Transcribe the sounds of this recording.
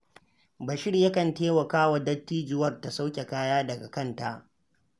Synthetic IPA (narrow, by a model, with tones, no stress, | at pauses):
bɐ˨ʃɪ˦ɽjɐ˦kɐ˨nteː˦wɐ˨kaː˦wɐ˨dɐ˦tːiː˦d͡ʒʊ˦wɐ˦rta˨sa˦wkʲe˨kaː˦jaː˦dɐ˨ɡa˨kɐ˦˨nta˦ʔ